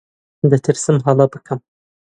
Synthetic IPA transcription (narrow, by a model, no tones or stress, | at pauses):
d̪ɨt̪ʰɨɾsɨmɦɑlˠɑbɨkʰɨm